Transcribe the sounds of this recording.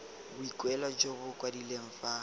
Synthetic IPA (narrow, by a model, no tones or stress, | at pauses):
bʊikʼwɛlad͡ʒoɣʊkwadileŋ̩fa